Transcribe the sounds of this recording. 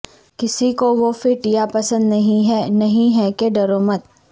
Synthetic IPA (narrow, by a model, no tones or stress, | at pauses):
kɪsikoʋofɪɾʈijapɐsə̃nd̪nɐɦĩɦɛnɐɦĩɦɛkeɖɐɾoːmət̪